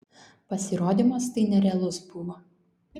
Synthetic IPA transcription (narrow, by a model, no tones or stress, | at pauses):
pɐsʲɪɾoːd̪ʲimoːst̪ɐɪnʲɛɾʲɛɐlˠʊsbʊʋoː